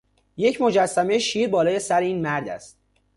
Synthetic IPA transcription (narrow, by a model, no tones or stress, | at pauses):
je̞cʰmod͡ʒæsːæme̞jeʃiːɾbɒːlɒːje̞sæɾeiːnmæɾd̪æ̰st̪̚